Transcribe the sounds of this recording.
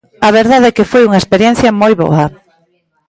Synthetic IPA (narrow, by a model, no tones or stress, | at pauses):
ɐβeɾðaðɛkefojuŋɐespeɾjɛnθjɐmojβɔ̰ɐ